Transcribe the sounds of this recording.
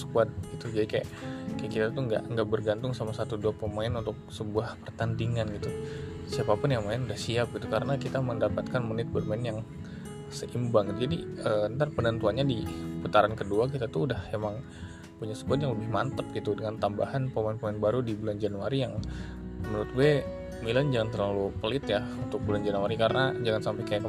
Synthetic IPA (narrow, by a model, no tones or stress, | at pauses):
sə̥kuat̪̚ɡ̥it̪ud͡ʒadikaja̰ʔkajakit̪at̪uŋɡa̰ʔəŋɡaʔbərɡant̪ʊŋsamasat̪uduapəmaɪnunt̪ʊk̚səbuahpərt̪andiŋanɡit̪u | siapapʊnjaŋmaɪnudahsiap̚ɡit̪ukaɾənakit̪aməndapat̪̚kanmunɪt̪̚bərmaɪnjaŋ | səʔimbaŋɡitd͡ʒadiəənt̪arpənənt̪uanɲadipət̪aɾankəduak̬it̪at̪uːdahemaŋ | puɲasə̥buat̪jaŋləbɪhmant̪əp̚ɡit̪udəŋant̪amba̰ɦanpəmanpəmaɛnbaɾudibuland͡ʒanuaɾijaŋ | mənuɾʊt̪̚ɡuɛ | miland͡ʒaŋant̪̬ərlalupəlɪt̪jaunt̪ʊk̚buland͡ʒanuaɾikaɾənad͡ʒaŋansampajkajan